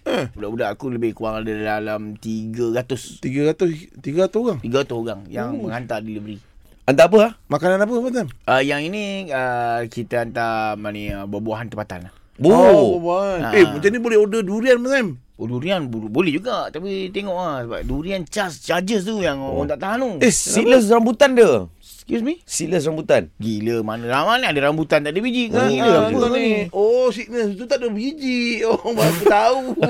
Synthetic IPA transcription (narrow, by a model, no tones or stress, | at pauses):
əbudaʔbudaʔakuləbɪhkuaŋadadalamt̪iɡəɾat̪ʊst̪iɡəɾat̪ʊst̪iɡaat̪ʊsoɡaŋt̪iɡaat̪ʊoɡaŋjaŋməŋant̪adilibəɾi | ant̪aap̬əlahmakananap̬ət̪əpat̪̬anʔəjaŋinĩəkit̪əant̪amaniəbəbuaɦant̪əpat̪a̰nah | bobabahanaemət͡ʃanibolɛhodəduɾianməɲam | oduɾianbubolɛhd͡ʒuɡat̪apit̪eŋɔʔasəba̰p̚duɾiant͡ʃast͡ʃad͡ʒəst̪ujaŋont̪aʔt̪aɦanuesiləs̬rambut̪andə | skjus̬misiləsrambut̪anɡiləmanəlamaniadəɾambut̪ant̪aʔdəbid͡ʒiʔkaɡiləabuaniosiʔnəst̪ut̪aʔdəbid͡ʒiʔobakət̪au